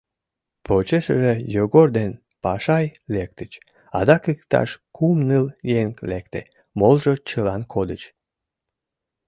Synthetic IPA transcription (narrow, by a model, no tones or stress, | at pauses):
pʰot͡ɕeʃəʒejoɣord̪en | pɑʃɑjlek̚t̪ət͡ɕ | ɑ̰d̪ɑkɨkt̪ɑ̰ʃkʰumnɨljeŋklekt̪ḛ | molʒot͡ɕəlɑnkʰod̪ət͡ɕ